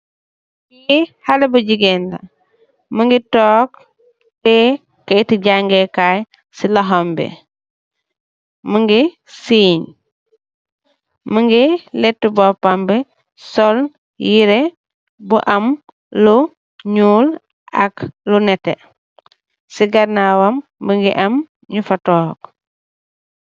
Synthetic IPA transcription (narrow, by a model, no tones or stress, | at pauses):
ihalebuɟiɡenla̰ | məŋɡitɔːk | tɛ | kɐitiɟaŋɡekaj | silɐɦɔmbḛ | məŋɡi | siːɲ | məŋɡilɛtːubɔpambɛ | sɔl | jiɾe | buʔɐm | lu | ɲuːl | a̰klunɛtːḛ | siɡɐɾnawambəŋɡḭʔɐm | ɲufatɔːk̚